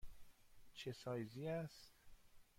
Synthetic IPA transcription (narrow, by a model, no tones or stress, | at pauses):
t͡ʃʰesɒːjziːæst̪